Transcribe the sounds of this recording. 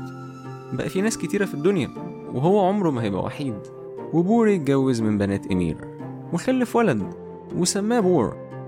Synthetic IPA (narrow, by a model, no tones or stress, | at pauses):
bæʔæfinæːsket̪iːɾæfid̪ːonjæ | weɦowːæʕomɾomæɦæjebʔæ̰wa̰ħiːd̪ | webuːɾjt̪̚ɡæwːezmembænæːt̪ʔæmḭːɾ | wexælːefwælæd̪ | wesæmːæːbuːɾ